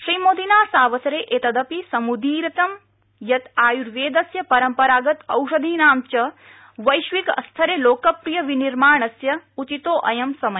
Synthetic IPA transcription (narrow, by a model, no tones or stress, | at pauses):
ʃɾiːmoːd̪inaːsaːʋɐsɐɾeːʔet̪ɐd̪ɐpisɐmud̪iːɾɐt̪ɐm | jɐt̪aːjuɾʋeːd̪ɐsjɐpɐɾɐmpɐɾaːɡɐt̪ɐ̰wʃɐd̪ʱiːnaːmt͡ʃɐ | ʋɐjʃʋikɐ̰st̪ʰɐɾeloːkɐpɾijɐʋiniɾmaːɳɐsjɐut͡ʃit̪oːʔɐjɐmsɐmɐ